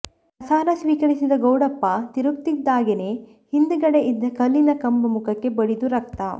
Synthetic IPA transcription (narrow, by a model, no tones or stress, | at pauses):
pɐsaːɾɐsʋiːkɐɾisid̪ɐɡɐwɽɐpːɐt̪iɾukt̪id̪ːaːɡene̞ | hind̪uɡɐɽe̞ʔid̪ːɐkɐlːinɐkɐmbɐmukʰɐkːe̞bɐɽid̪uɾɐk̚t̪ɐ